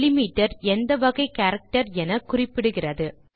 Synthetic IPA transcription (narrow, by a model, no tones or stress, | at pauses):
lɪmiːʈːɐɾɛnd̪ɐʋɐɣɐɪkaːɾɐk̚ʈɐɾɛnɐkʊrɪpːɪɽɯɣɪrɐðɯ